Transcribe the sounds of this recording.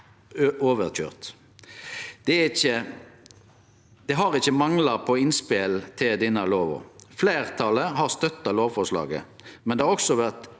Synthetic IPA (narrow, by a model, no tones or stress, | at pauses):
ʔoːʋəʁc͡çø̰ːʁt̪ | d̪̥ɛɪçə | d̪̥ɛɦɑʁɪçəmɑŋlɑpʰɔɪnspelt̪ʰɪld̪iːnɑloːʋɔ̰fleːʁt̪ʰɑləɦɑʁst̪œt̪ːɑloːʋfɔʂlɑ̰ːɡə̰ | mɛnd̪ɛhɑʁɔksɔʋæʁt̪